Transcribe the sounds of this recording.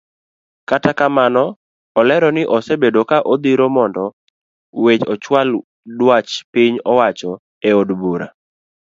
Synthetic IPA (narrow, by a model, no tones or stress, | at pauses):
katakamanɔ | ɔlɛɾɔnɪʔɔsebedokaʔod̪iɾomɔndɔ | wed͡ʒɔt͡ʃwal | dwat͡ʃpɪɲɔwat͡ʃɔ | eodbuɾa̰